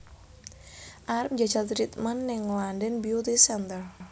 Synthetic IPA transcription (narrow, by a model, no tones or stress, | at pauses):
ʔaɾɛp̚d͡ʒad͡ʒat̪ɾit̪manːɪŋlandɛnbiot̪isɛnt̪ər